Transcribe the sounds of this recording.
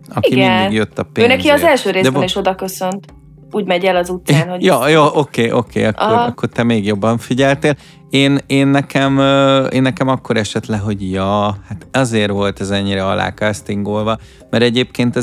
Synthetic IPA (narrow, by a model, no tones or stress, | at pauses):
ɒiiɡidiɡjøt̪ːɒpeøːnɛkiɒzɛlʃøːɾeːzdɛniʃo̞d̪ɒkøsønt̪ | uːɟmɛɟɛlɒzut̪saːnhojoːjoːʔokeːʔokʰḛːɒkʔoɒkːort̪ɛmeːɡjo̞bːɒɱfiɟɛlt̪eːl | eːneːnːɛkʰɛmøḛːnːɛkɛmɒkːo̞ɾɛʃɛt̪lɛkɦo̞ɟjɒːhat̪ɒzeːrvo̞lt̪ɛzɛɲːiɾɛɒ̰la̰ːkɒɛst̪iŋɡoːlvɒ | mɛɾɛɟeːpkeːnt̪ɛ